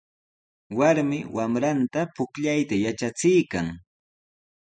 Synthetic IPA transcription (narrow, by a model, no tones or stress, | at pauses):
waɾmɪwamɾant̪apʊkʎajt̪ajat͡ʃat͡sɪjkaŋ